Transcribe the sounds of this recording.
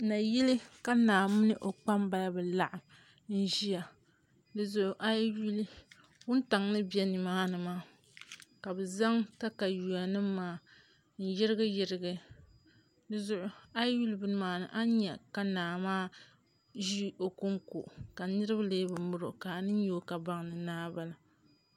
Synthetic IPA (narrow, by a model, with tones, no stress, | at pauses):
na˨ji˦li˦ka˦naː˨mʊ˦nɨ˦ʔo˨k͡pa˦mba˦ja˦bɨ˨la˦˨ʔa˨m | n̩˦ʒi˦ja˨ | lɨ˨zʊ˨ʔʊ˨ʔa˦ju˦li˦ | wʊ˦n˦ta˨ŋnɨ˦bɛ˦ni˨maː˦nɨ˨maː˦ | ka˨bɛ˨za˦ŋta˦ka˨ju˨a˨nɨ˦mː˦aː˦ | n̩˦jɪ˦ɾɨ˦ɡɨ˦jɪ˨ɾɪ˦ɡɨ˦ | lɨ˨zʊ˨ʔʊ˨a˦jju˦lbɨ˦n˦maː˨˦nɨ˨ʔa˦ɲɛ˨ka˨naː˨maː˦ | ʒi˦ʔo˨ku˦ŋko˨ʔka˨nɨ˦ɾɨ˦bleː˦bɨ˨mʊ˦ɾɨ˨ʔka˨nɨ˦n˦jo˦ka˨ba˦ŋnɨ˨naː˦ba˦la˨